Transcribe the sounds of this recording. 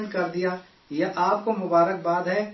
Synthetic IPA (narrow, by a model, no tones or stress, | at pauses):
nkɐɾd̪ija | jaʔaːp̚komʊbaːɾək̚baːd̪ɦɛː